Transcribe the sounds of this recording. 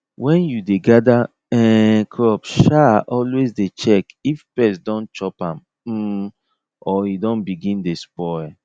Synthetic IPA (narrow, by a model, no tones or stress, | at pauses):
wɛ̃njudeɡada | ɛkʰɹɔpʃaʔɔlwezdet͡ʃɛkifpɛsdɔ̃nt͡ʃɔpãm̩ | ɔidɔ̃nbiɡĩndespɔɛ